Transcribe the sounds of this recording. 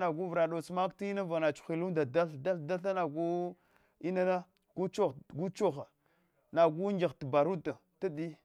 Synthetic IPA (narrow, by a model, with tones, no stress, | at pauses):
na˨ɡu˦vɾa˨ɗo˨t͡sma˦kti˦i˦na˦va˨na˨t͡ʃu̥˨xʷi˨lu˦da˨da˦ɬda˦ɬda˦ɬa˦na˨ɡu˦ | i˦na˦na˦ | ɡ̥u˦t͡ʃo˦ɡu˦t͡ʃo˦xa˨ | na˨ɡu˦ŋd͡ʒi˨xtba˨ɾu˦ta˨ | ta˦di˦